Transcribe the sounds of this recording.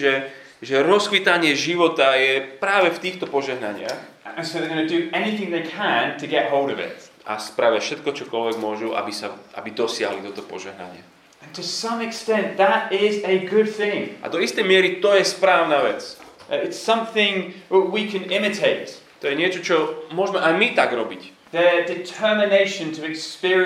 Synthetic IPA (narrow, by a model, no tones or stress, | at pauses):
ʒɛ | ʒɛɾɔskʋit̪aɲɪɛʒiʋɔt̪ajɛpɾaːʋɛft̪iːxt̪ɔpɔʒɛɦnaɲɪa̰x | ə̃nsoʊðɛɡʌnədɨɛniθɪ̃ŋðeɪkʰə̃ntʰɨɡɛt̚ɦɔʊlˠdɔvɪ̰t̪ | ʔa̰spɾaʋjafʃɛt̪̚kɔt͡ʃɔkɔlʋɛɡmʊɔʒuʔa̰bisaʔa̰bid̪ɔsɪa̰ɦlit̪ɔt̪ɔpɔ̰ʒɛ̰ɦna̰ɲɪa̰ | ə̃ntʰɨsʌ̃mɛkstɛ̃nðəɾɪzəɡʊd̪̚θɪ̃ŋʔa̰d̪ɔist̪ɛjmjɛɾit̪ɔjɛspɾawnavɛt͡sɪtsʌ̃mθɪ̃ŋwəwikʰə̃nɪmɨtʰeɪtt̪ɔjɛnɛt͡ʃət͡ʃɔmwɔʒmɛʔamit̪akɾɔbit | ðədɪtʰɜ˞mɪneɪʃə̃ntʰəɛkspɪɹi